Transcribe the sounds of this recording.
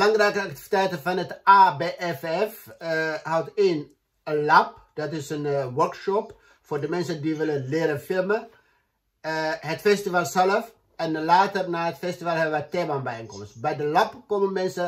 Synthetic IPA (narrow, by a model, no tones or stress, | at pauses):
əlɑŋrɛjkəɑktivitɛjtənfɑnɦətabeʔɛfɛf | ɦawteːn | əlap̚d̥ɑtɪsənʋɜɹkʃɔp | fʊːrdəmɛnsəndiʋɪlənlɪːɾəfɪlmə | ɦətfɛstivalˠsɛləf | ɛnlaːtərnaːɦətfɛstivalˠɦɛbəʋətebanbɛjenkɔməstbɛjdəlapkomənmɛnsə